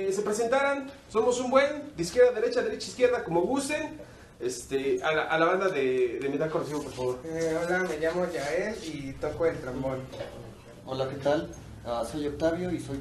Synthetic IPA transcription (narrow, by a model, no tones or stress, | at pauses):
se̞pɾes̬e̞nt̪aɾonso̞mosumbwe̞nd̪eiskje̞ɾðaðe̞ɾe̞t͡ʃaðe̞ɾet͡ʃaiskje̞ɾðako̞mo̞βust̪en | est̪ealaʔalaβ̞and̪aðeðemit̪akonros̬iβopoɾfaβo̞ɾolameʝamoʝaelit̪okoelt̪ɾambon | olaket̪al | aso̞jok̚t̪aβjo̞isoj